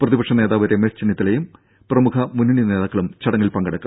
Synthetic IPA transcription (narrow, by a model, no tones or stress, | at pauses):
prɐðibɐkʂɐne̞ːðaːʋɐɾemest͡ɕinːit̪ːilejum | prɐmukʰɐmuniɳine̞ːðaːkːɐɭumt͡ɕɐɽɐŋːilpɐŋɡɐɽɐkːu